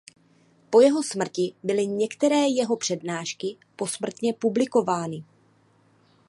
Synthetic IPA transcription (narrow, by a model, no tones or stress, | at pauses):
po̞jɛɦo̞smr̩cɪbɪlɪɲɛkt̪ɛɾɛːjɛɦo̞pr̥ɛdnaːʃkɪ | po̞smr̩t̪ɲɛpublɪko̞vaːnɪ